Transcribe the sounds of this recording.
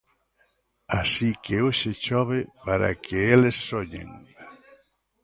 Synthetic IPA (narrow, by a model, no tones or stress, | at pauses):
asikeoʃet͡ʃɔβepaɾa̰kʰeelesːoɲḛ̃ŋ